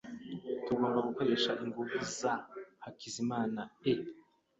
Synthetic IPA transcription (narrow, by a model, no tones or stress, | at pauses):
tuɡoːmbaɡuko̞ɾe̞ʃaʔiŋɡuvuzahakizimaːnae